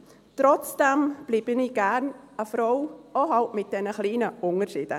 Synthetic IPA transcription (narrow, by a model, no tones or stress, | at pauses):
tɾɔt͡sd̥ɛmb̥liːbəniːɡæɾnəfɾɔwoɦɑltmɪt̚d̥ɛnəχliːnəʔʊŋəɾʃiːd̥ə